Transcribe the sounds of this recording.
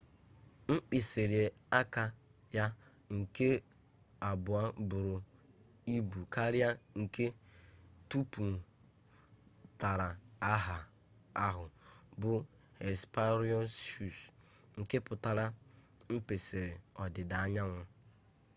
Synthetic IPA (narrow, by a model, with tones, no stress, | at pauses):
ŋ͡m̩˦k͡pi˨se˨ɾi˨e˨ | a˦ka˨ | ja˦ | ŋ̩˨ke˦ | a˨bʊ˨a˦bʊ˨ɾʊ˨ | i˦bu˨ka˦ɾɪ˦a˦ŋ̩˨ke˦ | tu˦pu˨m̩˨ | ta˨ɾa˨a˦ɦa˨ | a˦ɦʊ˨bʊ˨ | e˨spa˦ɾjɔ˦sʃu˨sŋ̩˨ke˦pʊ˨ta˨ɾa˦ | m̩˦pe˨se˨ɾe˨ɔ˨dɪ˨da˨a˦ɲa˦ŋʷʊ˦